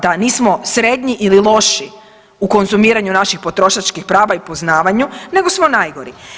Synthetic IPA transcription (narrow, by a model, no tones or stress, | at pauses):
d̪aniːsmo̞sɾe̞d̪ɲiʔililˠo̞ʃi | uko̞nzumiːɾaɲunaʃixpo̞t̪ɾo̞ʃat͡ʃkixpɾaːʋaipo̞znaːʋaɲune̞ɡo̞smonajɡo̞ɾi